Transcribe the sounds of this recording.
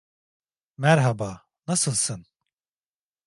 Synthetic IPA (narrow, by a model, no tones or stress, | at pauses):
mæɾɦaba | nasɨlˠsɨn